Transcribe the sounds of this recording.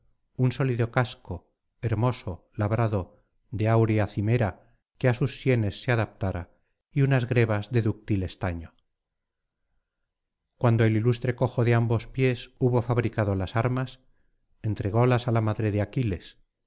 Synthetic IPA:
unso̞liðo̞kasko̞ | eɾmo̞so̞ | laβɾaðo | ðe̞awɾeaθime̞ɾa | keasusːje̞ne̞sːeaðap̚t̪aɾa | iunazɣɾe̞βazðe̞ðuk̚t̪ile̞st̪aɲo | kwand̪oelilust̪ɾe̞ko̞xo̞ðe̞ambo̞spje̞suβo̞faβɾikaðo̞lasaɾmas | e̞nt̪ɾe̞ɣo̞lasalamaðɾe̞ðeakile̞s

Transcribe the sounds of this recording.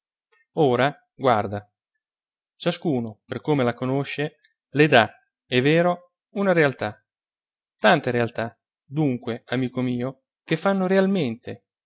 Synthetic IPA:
oːɾa | ɡward̪a | t͡ʃaskuːnoperkomelakonoʃːe | led̪a | ɛvːeːɾo | unaɾealt̪a | t̪ant̪eɾealt̪a | d̪uŋkweamiːkomiːo | kefːanːoɾealment̪e

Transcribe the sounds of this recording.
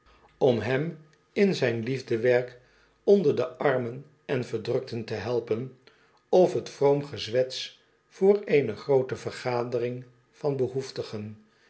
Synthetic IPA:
ɔmɦɛm | ɪnzɛjnlivdəʋɛɹk | ɔndəɹdəʔɑɹmən | ɛnvəɹdrɵk̚təntəɦɛlˠpən | ɔfətfroʊmχəzʋɛts | fʊːɹeːnəχrowtəvərχaːdərɪŋ | vɑnbəɦuftəχən

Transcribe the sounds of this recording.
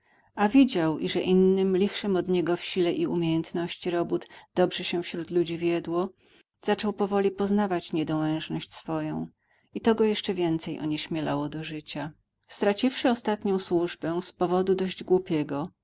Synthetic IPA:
avʲid͡ʑawʔiʐɛʔinːɘmlʲixʂɛmɔd̪ɲɛɡɔfɕilɛʔiumʲjejɛnt̪nɔɕt͡ɕiɾɔbud̪d̪ɔbʐɛɕɛ̃fɕɾut̪lud͡ʑivʲjɛd̪wɔ | z̥at͡ʂɔwpɔvɔlʲipɔznavat͡ɕɲɛd̪ɔwɛ̃w̃ʐnɔɕt͡ɕsfɔjɔ̰̃w̃ | it̪ɔɡɔjɛʂt͡ʂɛvʲjɛnt̪sɛjʔɔ̰ɲɛɕmʲjɛlawɔd̪ɔʐɘt͡ɕa | st̪ɾat͡ɕifʂɘɔst̪at̪ɲɔ̃w̃swuʐbɛw̃spɔvɔd̪ud̪ɔʑd͡ʑɡwupʲjɛɡɔ

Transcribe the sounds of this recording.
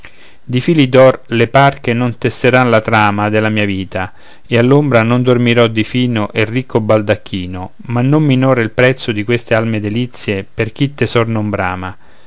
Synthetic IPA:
d̪ifilid̪ɔrleparkenont̪esːeɾanlat̪ɾaːmad̪elamiːaviːt̪a | ealːombɾanond̪ormiɾɔd̪ifiːnoʔerːikːobald̪akʰːiːno | manːomːinɔːɾeilpɾɛt̪sːod̪ikwest̪ealmed̪elit̪sːjeperk̟it̪ːesɔrnombɾaːma

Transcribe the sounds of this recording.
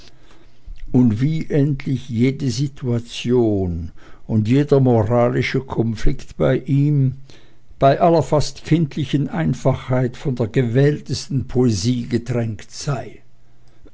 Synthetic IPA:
ʊntv̥iːʔɛntʰlɪçjeːdəzitʰuat͡sjoːnʊndjeːdɐmoʁaːlɪʃəkʰɔnflɪktb̥aɪʔiːm | b̥aɪʔalɐfastkʰɪntʰlɪçənʔaɪnfaχhaɪtfɔndeːɐɡəvɛːltəstn̩pʰoeziːɡətʁɛŋktz̥aɪ

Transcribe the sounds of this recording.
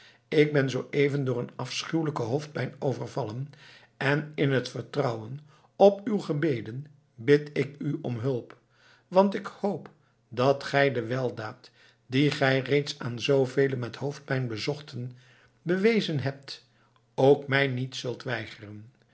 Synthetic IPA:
ɪɡ̚bɛnzowʔejvəndʊːɹənɑfsχywləkəɦowft̚pɛjnowvərvɑlən | ɛnɪnɦətfərtrʌwən | ɔpywχəbejdən | bɪtɪkyʔɔmɦɵlˠp | ʋɑntɪkhowp | dɑtχɛjdəʋɛlˠdaːt | diχɛjrejtsaːnzowvejlənmɛthowft̚pɛjnbəzɔχtən | bəʋejzənɦɛp̚t | owkmɛjnitsɵlˠtʋɛjχərən

